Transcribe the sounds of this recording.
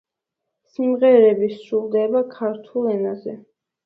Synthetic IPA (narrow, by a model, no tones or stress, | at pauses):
simʁɛɾɛbisɾulˠd̪ɛbakʰaɾt̪ʰulˠɛnazɛ